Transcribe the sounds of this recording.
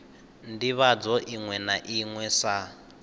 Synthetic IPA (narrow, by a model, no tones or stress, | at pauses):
ndiβad͡zɔʔiŋwɛnaʔiŋwɛsa